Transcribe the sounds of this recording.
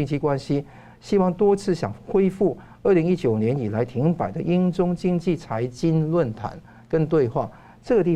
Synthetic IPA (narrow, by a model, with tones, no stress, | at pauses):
i˥˧ŋt͡ɕʰi˥kwa˥nɕi˥ | ɕi˥wɑ˥˩ŋt̪wɔ˥t͡sʰɹ̩˥˩ɕjɑ̰˨˩ŋxwe˥ɪfu˥˩ | ə˥˩li˧˥ŋi˥t͡ɕjo˨˩ʊnjɛ˧˥ni˨˩la˧˥ɪt̪ʰi˧˥ŋpa˨˩ɪd̪ə˦ʔi˥nʈ͡ʂʊ˥ŋt͡ɕi˥˧ŋt͡ɕi˥˩t͡sʰa˧˥ɪt͡ɕi˥nlwə˥˩nt̪ʰa̰˧˥˦n | kə˥nt̪we˥˧ɪxwa˥˩ | ʈ͡ʂɤ˥˩ɡə˩t̪i˥˩